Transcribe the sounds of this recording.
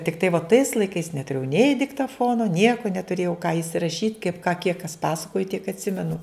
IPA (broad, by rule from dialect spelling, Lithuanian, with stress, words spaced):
tʲɪkˈtɐɪ ʋoː tɐɪs lˠɐɪˈkɐɪs nʲɛtʊˈrʲeːjɛʊ nʲɛɪ dʲɪktɐˈfoːnoː ˈnʲiɛkʊ nʲɛtʊˈrʲeːjɛʊ kɑː ɪsʲɪrɐˈʃʲiːtʲ kɐɪp kɑː kʲiɛk kɐs ˈpɑːsɐkoːjɪ tʲiɛk ɐtʲˈsʲɪmʲɛnʊ